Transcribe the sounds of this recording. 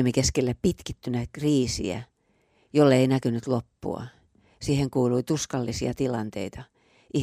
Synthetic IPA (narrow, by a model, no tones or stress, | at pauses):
mikeskelːæppit̪kit̪ːynækriːsḭæ̰ | jolːeinækynyt̪lopːṵɑ̰ | siːheŋkuːluit̪uskɑlːisiɑt̪ilɑnt̪ḛit̪ɑ | ʔi